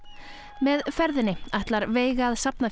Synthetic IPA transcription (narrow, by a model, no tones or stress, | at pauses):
mɛðfɛɾðɪnɪajht̪laɾveːjɣaːðsap̚na